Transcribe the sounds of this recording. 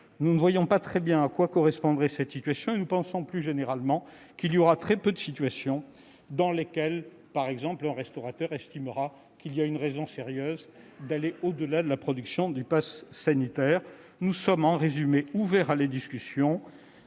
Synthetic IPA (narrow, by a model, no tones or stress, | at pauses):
nunəvwajɔ̃pat̪χɛbjɛ̃akwakɔʁɛspɔ̃d̪ʁɛsɛt̪sit̪ɥasjɔ̃enupɑ̃sɔ̃plyʒeneʁalmɑ̃ | kilijɔʁat̪χɛpød̪əsit̪ɥasjɔ̃ | d̪ɑ̃lekʲɛl | paʁɛɡzɑ̃plɛ̃ʁɛst̪ɔʁat̪œʁɛst̪imʁa | kilijaynʁɛzɔ̃seʁjøːzd̪aleʔod̪əlad̪əlapχɔd̪yksjɔ̃d̪ypasːanit̪ɛʁ | nusɔmɑ̃ʁezymeuvɛʁaled̪iskʲysjɔ̃